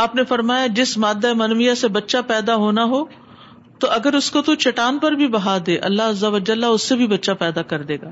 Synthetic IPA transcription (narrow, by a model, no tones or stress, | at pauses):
aːpnefɐɾmaːjad͡ʒɪsmaːd̪ːaemɐnʋijasebɐtːʃapɛːd̪aɦoːnaɦoː | t̪oʔɐɡəɾʊskot̪ot͡ʃɐʈaːnpɐɾbʱibɐɦaːd̪eːʔɐ̰lːaɦɐzːɐʋəd͡ʒəlːaʊsːebʱibɐtːʃapɛːd̪akɐɾd̪eːɡaː